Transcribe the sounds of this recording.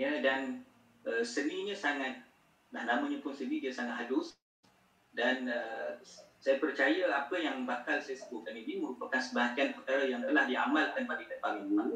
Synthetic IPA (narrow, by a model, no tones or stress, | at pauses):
jədan | əsənĩɲə̃saŋat̪̚ | lahnamãɲəpʊnsənĩdiəsaŋat̪ɦadʊs | danə | sajapərt͡ʃajəapəjaŋbakalsajasəbʊt̪̚kaniniməɾupakansəbaɦak̪ianpərt̪aɾajaŋt̪əlahdiamalkanbaɾikadpaliŋəmaŋ